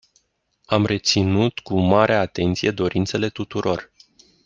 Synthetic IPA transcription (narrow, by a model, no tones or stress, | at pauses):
amre̞t̪sinut̪kumaɾeaat̪e̞nt̪sije̞d̪o̞ɾint̪se̞le̞t̪ut̪uɾo̞r